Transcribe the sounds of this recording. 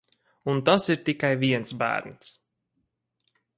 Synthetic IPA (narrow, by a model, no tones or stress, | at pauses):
unt̪asiɾt̪ikajviɛnsbæ̰ːɾnʲs